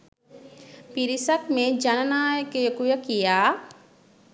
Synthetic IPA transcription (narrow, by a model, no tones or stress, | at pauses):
piɾisəkmẽd͡ʒɐnənaːjkekujəkijaː